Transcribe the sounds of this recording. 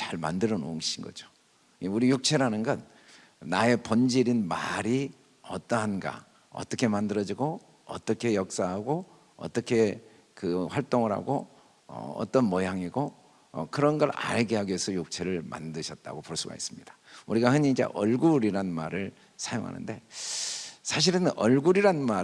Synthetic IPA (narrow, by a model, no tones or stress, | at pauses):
t͡ɕaɭma̰ndɯɾʌnoɯŋɕinɡʌ̰d͡ʑo̥ | uɾijuk̚t͡ɕʰe̞ɾanɯnɡʌnː | ae̞pond͡ʑiɾinmaɾi | ʌt͈ʌɦanɡa̰ | ʌ̰t͈ʌkʰemandɯɾʌd͡ʑiɡo | ʌ̰t͈ʌkʰe̞jʌk̚s͈aɦaɡo | ʌ̰t͈ʌkʰe̞ | kɯɸwaɭt͈oŋɯɾɦa̰ɡo | ʌ̰ʌ̰t͈ʌnmʌjaŋiɡo̰ | kɯɾʌnɡʌɾa̰ɭɡeɦaɡiesʰʌjok̚t͡ɕʰe̞ɾɯɭma̰ndɯɕʰʌt̚t͈a̰ɡopoɭs͈uɡa̰is͈ɯmɲid̥ḁuɾiɡahɯɲiid͡ʑe̞̰ʔʌɭɡuɾiɾanma̰ɾɯɭ | sʰajoŋɦa̰nɯ̰nde̞ | sʰaɕ̬ʰiɾɯnʌɭɡuɾiɾanma